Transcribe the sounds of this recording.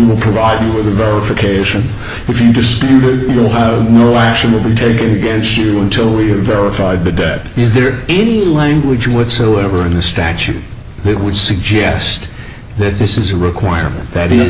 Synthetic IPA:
wəlˠpʰɹ̥ɨvaɪd͡ʒɨwɨðɨvɛɹəfɨkʰeɪʃɨ̃n | ɨfjɨdɨspjʉɾɪt̚julˠəvnoʊækʃɨ̃nwəlˠbitʰeɪkɨ̃nɨɡɛ̃nst͡ʃɨə̃ntʰɪlˠwiɨvɛɹɨfaɪd̪̚ðɨdɛt̚ɨzðə˞ɛnilæ̃ŋɡwɪd͡ʒwʌtsoʊɛvə˞ɨ̃nðɨstæt͡ʃʉ̰t̪̚ | ðɨt̚wəd̥sɨɡ̚d͡ʒɛst̪̚ | ðɨt̪̚ðɪsɨzɨɹɨkʰw̥aɪə̰˞mɨ̰̃nðɨɾɪ

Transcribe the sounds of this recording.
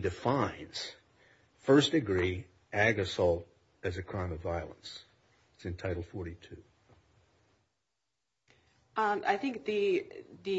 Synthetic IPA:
dɨfãɪ̃nz̥ | fɜ˞sd̥ɨɡɹi | æɡɨsɔlˠt̚ | ɨzɨkʰɹ̥ãɪ̃mʌvaɪlˠə̰̃ns | tsɨ̃ntʰaɪɾl̩ˠfɔɹɾitʰʉ | a̰ɪθɪ̃ŋk̚ðɨðɨ

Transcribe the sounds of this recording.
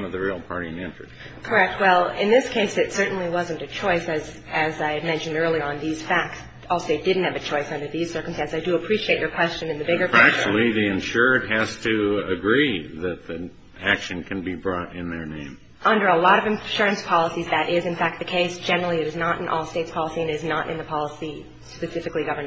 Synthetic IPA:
mʌvðɨɹil̩ˠpʰɑɹɾiɨ̃nɪ̃nt͡ʃɹ̥ɨs | kʰə˞ɛk̚t̚wɛlˠɪ̃nðɪskʰeɪsɨtsɜ˞ʔn̩liwʌzɨ̃n̩tɨt͡ʃʰɔɪsɨz | ɨzaɪɨd̚mɛ̃nʃɨ̃n̩dɜ˞lˠiə̃nðiz̥fæk̚ts | ɔlˠsteɪt̚d̥ɪdⁿn̩t̚hɨvɨt͡ʃʰɔɪsʌ̃ndə˞ðiz̥sɜ˞km̩stæ̃nsaɪdɨəpʰɹ̥iʃieɪt͡ʃə˞kʰw̥ɛst͡ʃɨ̃nɨ̃nðɨbɪɡə˞æk̚t͡ʃl̩ˠiðiɨ̃nʃʊɹd̚ɦɨz̥tʰɨɨɡɹiðɨt̪̚ði | ækʃɨ̃nkʰɨ̃nbibɹɔɾɪ̃nðə˞nḛ̃ɪ̃m | ʔʌ̃ndə˞əlɔɾʌvɨ̃ɱʃʊɹɨ̃nspʰɑlˠəsizðɨɾʔɪzɨ̃nfæk̚t̪̚ðɨkʰeɪsd̥ʒ̥ɛnə˞l̩ˠiɨɾɨznəɾɨ̰̃nʔɔ̰lˠsteɪtspʰɑlˠəsiɨ̃nɨznəɾʔɨ̰̃nðɨpʰɑlˠəsi | spɨsɪfɨkliɡʌvə˞

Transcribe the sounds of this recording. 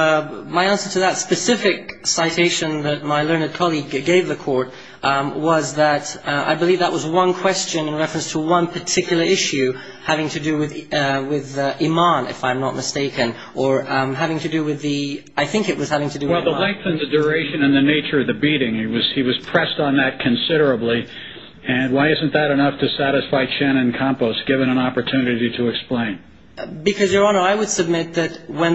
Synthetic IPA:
maɪæ̃nsə˞ɾɨðətspɨsɪfɨksaɪtʰeɪʃɨ̃nðɨt̚maɪlɜ̃˞nɨd̚kʰɑlˠiɡɡeɪvðɨkʰɔɹt̚ | wʌzðəɾa̰ɪbəlivðəʔ̚wʌzwʌ̃nkʰw̥ɛst͡ʃɨ̃nɨ̃nɹɛfɹɨ̃nstʰəwʌ̃npʰə˞tʰɪkʰjl̩ˠə˞ɪʃʉ | hævɪ̃ŋtʰɨdɨwɪðwɪðɪmɑ̃nɨ̰fãɪ̃mnət̚mɨsteɪkɨ̃n | ə˞ɦævɪ̃ŋtʰɨdɨwɨði | aɪθɪ̃ŋkɨt̚wʌz̥hævɪ̃ŋtʰɨdɨwɛlˠðəlɛ̃ŋk̚θɨ̃nðɨdə˞eɪʃɨ̃nɨ̃nðɨneɪt͡ʃə˞ʌvðɨbiɾɪ̃ŋiwʌz̥iwʌz̥pʰɹ̥ɛstn̩ðɨt̚kʰɨ̃nsɪɾə˞ɨbli | ɨ̃nwaɪɪzɨ̃n̩ðɨɾɨnʌftʰɨsæɾɨsfaɪt͡ʃʰæ̃ñɨ̃nkʰɑ̃mpoʊsɡ̥ɪvɨ̃nə̃nɑpə˞tʰʉnɨɾiɾɨːksplẽɪ̃n | bɨkʰʌzjə˞ɑ̃nə˞aɪwɨd̥sɨb̚mɪt̪̚ðɨt̚wə̃n

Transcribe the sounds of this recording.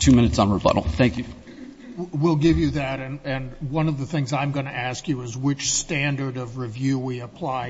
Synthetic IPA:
tʰʉmɪ̃nɨtsn̩ɹəbʌ̰ʔl̩ˠθæ̃ŋkjʉ | wilˠɡɪvjɨðɨɾɨ̃nɨ̃nwʌ̃nʌvðɨθɪ̃ŋzãɪ̃mɡʌnɨæskjɨɪzwɪt͡ʃstæ̃ndə˞ɾʌvɹivjʉwiɨpʰl̥aɪ

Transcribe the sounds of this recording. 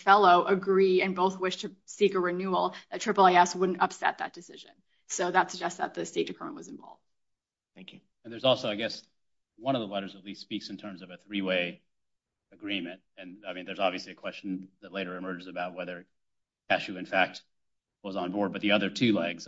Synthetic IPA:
fɛlˠoʊʔəɡɹiɨ̃nboʊθwɪʃtʰɨsikəɹɨnʉl̩ˠðɨtʰɹ̥ɪpl̩ˠiɛswʊdⁿn̩tʌpsɛ̰t̪̚ðɨ̰t̚d̥ɨsɪʒɨ̰̃n | soʊðətsɨɡ̚d͡ʒɛstsðə̰t̪̚ðɨsteɪt̚d̥ɨkʰɜ˞mə̃nʔwʌzɨ̃ɱvɑ̰lˠvd̥ | θæ̃ŋkjʉ | ɨ̃n̩ðə˞zɔlˠsoʊaɪɡɛs | wʌ̃ɾ̃ʌvðəlɛɾə˞zətˡlisspiksn̩tʰɜ̃˞mzʌvɨθɹiweɪ | ɨɡɹĩmɨ̃nt̚ɨ̃naɪmĩnðə˞zɑbviɨsliɨkʰw̥ɛst͡ʃn̩ðɨtˡleɪɾə˞ɨmɜ˞d͡ʒzɨbaʊt̚wɛðə˞ | æʃʉɨ̃nfæk̚t̚ | wʌzn̩bɔɹd̚bʌt̪̚ðiʌðə˞tʰʉlɛɡz̥

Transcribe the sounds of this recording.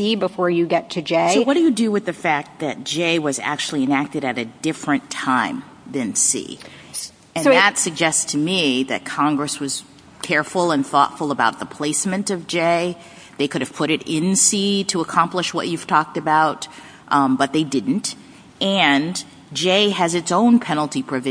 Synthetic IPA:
ibəfɔɹjɨɡɛtʰɨd͡ʒeɪsoʊwʌt̚d̥ɨjɨdɨwɨðɨfæk̚t̪̚ðɨt̚d̥ʒ̥eɪwʌzæ̰k̚t͡ʃʉl̩ˠiɨ̃næk̚tɨɾɨɾɨdɪfɹɨ̃ntʰãɪ̃m | ðɨ̃nsḭ | ɨ̃nðətsɨɡ̚d͡ʒɛststʰɨmiðɨ̰t̚kʰɑ̃ŋɡɹɨswʌz̥ | kʰɛɹfl̩ˠə̃nθɔ̰tfl̩ˠəbaʊt̪̚ðəpʰl̥eɪsmɨ̃ntʌvd͡ʒeɪ | ðeɪkʰʊɾɨv̥pʰʊɾɨɾɪ̃nsiɾɨəkʰɑ̃mpləʃwʌ̰t͡ʃʉv̥tʰɔk̚tɨbaʊt̚ | bʌt̪̚ðeɪdɪdⁿn̩t | ʔɨ̃n | d͡ʒeɪɨzɨtsõʊ̃npʰɛnl̩ˠtipʰɹ̥ɨvɪ

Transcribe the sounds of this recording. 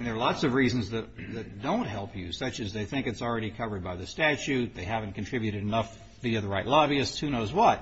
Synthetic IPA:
nðə˞lɑtsʌvɹiz̃n̩zðɨt̚ðɨt̚d̥õʊ̃nʔɦɛlˠpʰjɨsʌt͡ʃɨzðeɪθɪ̃ŋkɨtsl̩ˠɹɛɾikʰʌvə˞d̚baɪðɨstæt͡ʃʉt̪̚ðeɪɦævn̩kn̩tʰɹ̥ɪbjʉɾɨɾɨnʌf | ðiʌðə˞ɹaɪʔˡlɑbiɨstshʉnoʊzwʌt̚

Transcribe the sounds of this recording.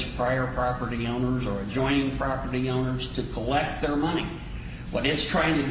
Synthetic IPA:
z̥pʰɹ̥aɪə˞pʰɹ̥ɑpə˞ɾiõʊ̃nə˞zə˞ɨd͡ʒɔ̃ɪ̃nɪ̃ŋpʰɹ̥ɑpə˞ɾiõʊ̃nə˞z̥tʰɨkʰəlɛk̚t̪̚ðə˞mʌni | wʌɾɨtstʰɹ̥aɪɪ̃ŋtʰɨd

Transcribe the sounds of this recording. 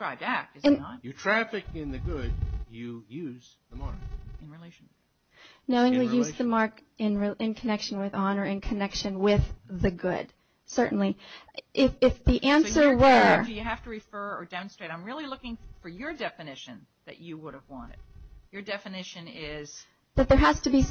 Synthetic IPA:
d̥ɹaɪb̚dæk̚ɨzɨ̃nt̚jɨtʰɹ̥æfɨkɨ̃nðɨɡʊd̚jɨjʉz | ðəmɑɹkɨ̃nɹileɪʃn̩ | noʊɪ̃ŋlijʉzðɨmɑɹkɪ̃nɹiɨ̃nkʰɨnɛkʃɨ̃n̩wɨðɑnə˞ɨ̃nkʰɨnɛkʃɨ̃nwɪðɨɡʊ̰d̥ | sɜ˞ʔn̩liʔɪfɪfðiʔæ̃nsə˞wə˞ɨjɨɦæftɨɹɨfɜ˞ə˞dɛm̃n̩stɹ̥eɪɾãɪ̃mɹɪlˠilʊkɪ̃ŋfə˞jə˞dɛfɨnɪʃɨ̃n | ðɨ̰t͡ʃɨwʊɾəvwɑ̃nɨ̰d̥̚jə˞dɛfɨnɪʃɨ̃nɪz̥ | ðɨt̪̚ðə˞ɦæz̥tɨbi

